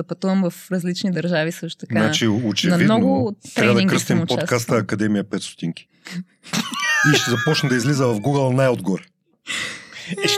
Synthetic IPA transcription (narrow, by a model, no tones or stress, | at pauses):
ɐpɐt̪uvɐmvɐfɾɐzlit͡ʃnid̪ɐɾʒavisɤʃt̪ʊ̥t̪ɐnaat͡ʃiot͡ʃɛnɐvmid̪nɔoɡʊt̪ɾɛavd̪ĩŋɡkɾəst̪impt͡ʃokast̪əːkɐd̪ɛmiəpɛt̪st̪o̥t̪iŋkʲi̥ | iʃt̪ɛzɐpɔt͡ʃnɛd̪ɐizlizəvɐfɡuɡəlˠnajod̪ɡɔɾɛ | ɛʃ